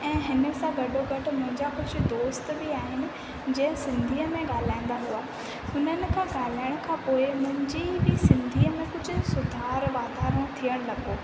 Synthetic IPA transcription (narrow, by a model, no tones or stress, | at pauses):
ɛ̃ːɦɪnə̆sãɡɐɖʱoɡɐʈʰʊ̆mʊ̃ɦɪ̃ɲd͡ʑakʊd͡ʑʱʊ̆d̪oːst̪bɪaːɦɪnɪ̆ | d͡ʑɛ̃ɦɪ̃sɪ̃nd̪ʱiːəmẽɠaːl̤aːiɪ̃n̆d̪aɦuoaː | hʊnənɪ̆kʰãːɠaːl̤aːɪəɽ̃kʰãːpoːɪmʊ̃ɦɪ̃ɲd͡ʑibɪsɪ̃nd̪ʱiːəmẽkʊd͡ʑʱʊ̆sʊd̪ʱaːɾʋaːd̪aːɾəɽ̃t̪ʰiəɽ̃lɐɡoː